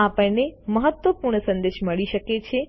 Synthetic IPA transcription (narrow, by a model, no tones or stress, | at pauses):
apəɭneməɦət̪ʋəpuɾɳəsə̃nd̪eʃməɭiʃəket͡ʃʰe